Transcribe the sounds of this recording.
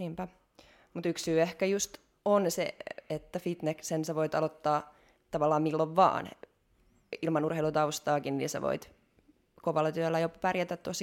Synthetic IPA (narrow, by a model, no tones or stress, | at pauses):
impæ | mut̪yksyːehkæjust̪ | onsḛet̪ːæfit̪neksenseʋoit̪ɑ̰lot̪ːɑː | t̪ɑʋɑlːɑːmmilːoʋʋɑ̰ːn | ilmɑnurheilut̪ɑust̪ɑːkinnḭnsɑ̰ʋo̰it̪ | koʋɑlːɑt̪yælːæjopærjæt̪æt̪t̪os